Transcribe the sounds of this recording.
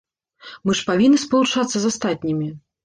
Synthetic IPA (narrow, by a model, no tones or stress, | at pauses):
mɨʂpavʲinːɨspɐlˠut͡ʂat̪sːɐzast̪at̪̚ʲnʲimʲi